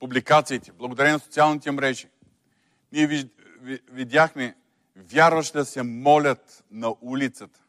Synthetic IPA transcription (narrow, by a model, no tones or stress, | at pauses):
publikat̪siːt̪ɛ̥blˠɐɡod̪ɐɾɛninɐsot̪sialˠnit̪ɛmɾɛʒi | niɛvi | vid̪ʲaxmɛ | vʲjaɾvɐʃd̪ɐsɛmɔlʲət̪ | nɐʔulit̪sət̪ə̥